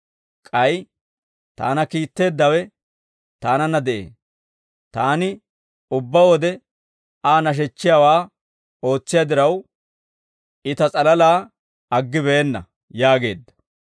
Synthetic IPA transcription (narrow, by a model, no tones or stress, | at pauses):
kʼɐj | t̪a̰ːnɐkiːt̪ːe̞ːd̪ːɐwɛ | t̪aːnɐnɐd̪ɛʔḛː | t̪aːnɪ | ʊbːɐwɔd̪ɛ | aːnɐʃ̬ɛt͡ʃːɪjaːwaː | o̞ːt͡sːɪjad̪ɪɾɐw | ɪt̪ɐt͡sʼɐlɐlaː | ɐɡːɪβɛɛnːɐ̰ | jaːɡe̞̰ːd̪ːɐ̥